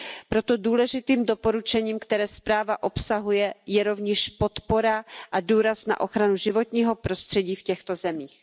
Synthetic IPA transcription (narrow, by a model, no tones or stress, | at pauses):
pɾo̞t̪o̞duːlɛʒɪt̪iːmdo̞po̞ɾut͡ʃɛɲiːmkt̪ɛɾɛːspɾaːvaʔo̞psaɦujɛjɛɾo̞vɲɛʃpo̞t̪po̞ɾaʔaduːɾasna̰ʔo̞xɾanuʒɪvo̞t̪ɲiːɦo̞pɾo̞st̪r̝̥ɛɟiːfcɛxt̪o̞zɛmiːx